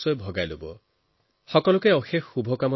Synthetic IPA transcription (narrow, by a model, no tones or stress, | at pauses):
sɔebʱɔɡajlobɔ | hɔkɔlɔkeɔxeubʱɔkamɔ